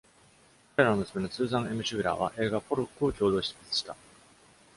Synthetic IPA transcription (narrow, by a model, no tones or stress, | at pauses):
ɾeɾanomɯ̟sɨ̥me̞no̞t͡sɨːzãɰ̃e̞mɯ̟ɕɨɡɯ̟ɾa̰ːβ̞a̰ʔe̞ːɡapo̞ɾokːɯ̟o̞kʲo̞ːd̪o̞ːɕi̥pʲːi̥t͡sɨ̥ɕi̥t̪a